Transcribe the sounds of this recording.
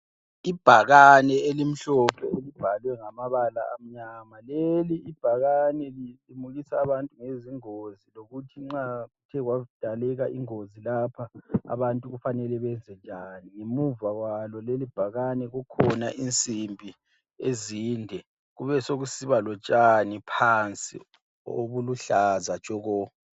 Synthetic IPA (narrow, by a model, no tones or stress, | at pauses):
ib̥ʱaɣanɛelim̩ɬɔpʰɛelib̥ʱalwɛŋamaβala̰am̩ɲamaleliib̥ʱaɣanɛliimuɣisaːβantʼuŋeziŋoziloɣutʰiŋ͡ǁautʰɛɣwad̥ʱalɛɣaʔiŋozilapʰaa̰βantʼuɣufanɛlɛβɛzɛnd͡ʒʼʱaniŋemuvawalɔlelib̥ʱaɣanɛɣɔkʰɔnaʔint͡sʼimbʱi | eziːndʱɛ | ɣuβɛsoɣusiβalɔt͡ʃʼanipʰant͡sʼḭ | o̰βuluɬazḁt͡ʃʼɔɣɔ